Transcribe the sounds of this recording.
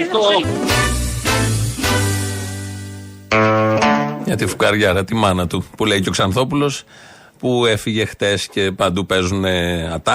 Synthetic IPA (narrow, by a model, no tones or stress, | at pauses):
t̪o | ʝɐt̪ifu̥kɐɾʝɐɾɐt̪imɐnɐt̪upule̞iceoksɐnθo̞pulo̞s | pue̞fiʝe̞xt̪e̞sce̞pɐnd̪upe̞zune̞ɐt̪ɐ